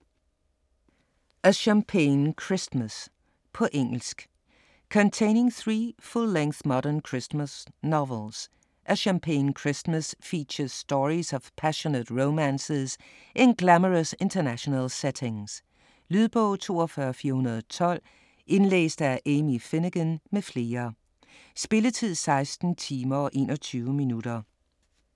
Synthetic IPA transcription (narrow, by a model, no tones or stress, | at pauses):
ʔəʃæ̃mpʰẽɪnkʰɹ̥ɪsməs | pʰɒʔeŋl̩sk | kʰə̃ntʰẽɪ̃nɪ̃ŋθɹiːfulːẽŋθmɒɾə̃nkʰɹ̥ɪsməsnɑvəlˠz̥ | ʔəʃæ̃mpʰẽɪnkʰɹ̥ɪsməsfit͡ʃəz̥stɔɹizʌv̥pʰæʃonətɹoʊmæ̃nses | ʔenɡ̥læməʁəse̝nt͡sʰɐnæɕonælseɾʰe̝ŋs | lyðˠb̥ɔʊ̰t͡sʰo̝̰ːɒfɶːɐfiːɐhunɐðˠɒt͡sʰɒ̽l̰ | e̝nlḛːsd̥əæʔemife̝nəɡ̥ənmefle̝ːɐ | sb̥e̝lət͡sʰið̰ˠsɑ̈ɪsd̥n̩t͡sʰiːmɐʔe̝ːnɒt͡sʰyːʊəminuɾ̥ɐ